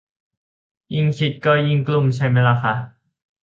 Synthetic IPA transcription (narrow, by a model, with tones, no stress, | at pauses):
ji˧ŋkʰi˨˧˥t̪̚kɔː˧˩ji˧ŋklu˧˩mt͡ɕʰa˦˥jma˦˥jla˧˩kʰa˦˥ʔ